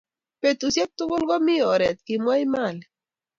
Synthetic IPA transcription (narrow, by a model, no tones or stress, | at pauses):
pet̪usjep̚t̪uɣolɣomioɾet̪̚kimwajmal